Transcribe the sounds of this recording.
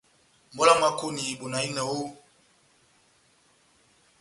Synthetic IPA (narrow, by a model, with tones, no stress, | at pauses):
m˨bɔ˦la˦ma˨ko˦ni˨bo˨na˨i˦nɛ˨wo˦